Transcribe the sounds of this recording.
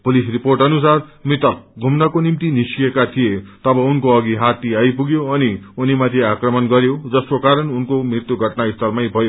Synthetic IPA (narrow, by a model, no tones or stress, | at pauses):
pulisriporʈʌnus̬armit̪ʌrɡʱumnʌkonimt̪inisiekat̪ʰijet̪ʌbʌunkoʌɡiɦat̪iajpuɡjoʌniunimat̪ʰiakrʌmʌnɡʌɾjod͡zʌskokaɾʌnunkomrit̪juɡʱʌʈnaist̪ʰʌrmajbʱʌjo